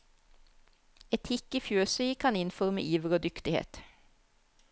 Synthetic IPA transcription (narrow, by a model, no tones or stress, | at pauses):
ɛt̪hɪkəfjøːsœʏkʰɑnɪnfɔʁmə̰ʔiːʋəʁoːd̪ʏkt̪ɪhḛːt̪